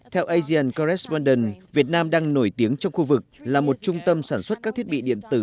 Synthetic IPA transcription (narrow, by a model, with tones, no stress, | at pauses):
t̪ʰɛ˧wʔa˧zi˧a˨˩nkɔ˧ɾɛ˦˥spɔ˧nɗɛ˧˩nvi˨˩ət̚naː˧mɗaː˧ŋno˧˩jt̪i˨˦əŋt͡ɕɔ˧wŋ͡mxu˧vɨ˨˩k̚laː˨˩mo˨˩t̚t͡ɕʊ˧ŋ͡mt̪ə˧msaː˧˩nswə˦˥t̚kaː˦˥k̚t̪ʰi˦˥ət̚ɓḭ˧˨ɗḭ˧˨ənt̪ɨ˧˩